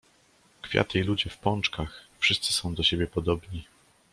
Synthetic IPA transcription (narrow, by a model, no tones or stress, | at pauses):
kfʲja̰t̪ɘilud͡ʑɛfpɔnt͡ʂkaxfʂɘst̪sɘ̥sɔ̃w̃d̪ɔɕebʲjɛpɔd̪ɔbɲi